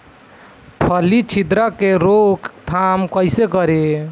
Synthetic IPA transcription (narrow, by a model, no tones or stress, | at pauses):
pʰəlit͡ʃʰid̪ɾakeɾokt̪ʰamkəjsekəɾe